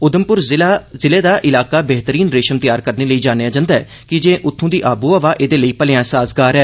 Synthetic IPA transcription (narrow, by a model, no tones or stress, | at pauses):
ʊd̪əmpʊɾzɪleːd̪aːʔɪlaːkaːbɛɦt̪əɾiːnɾeːʃəmt̪ɪjaːɾkəɾneːləiːd͡ʒaːnejaːd͡ʒãːnd̪aɛː | kɪd͡ʒẽːʔʊt̪ʰːõːd̪iːʔaːbuːəʋaːʔeːd̪eːləiːpəlɪjãːsaːsɡaːɾɛː